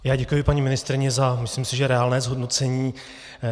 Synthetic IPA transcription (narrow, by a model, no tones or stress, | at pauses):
jaːɟɛkujɪpaɲimɪnɪst̪ɾɪɲɛzamɪslɪmsɪʒɛɾɛaːlnɛːzɦodno̞t͡sɛɲiː